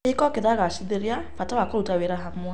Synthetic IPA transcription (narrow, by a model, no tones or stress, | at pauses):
eikɔkeðaɣaʃiðeɾjafatawakɔutaweɾaɦamwɛ